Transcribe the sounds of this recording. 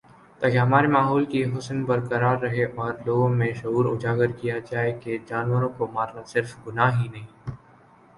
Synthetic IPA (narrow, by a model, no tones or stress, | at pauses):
t̪aːkeɦɐmaːɾemaːɦɔːlkiɦʊsnbɐɾkɐɾaːɾːɐɦeʔɔːɾloːɡõmẽʃɐɦuːɾʊd͡ʒaːɡəɾkijad͡ʒaːeked͡ʒaːnwəɾõkomaːɾnasɪɾfɡʊnaːɦinɐɦĩː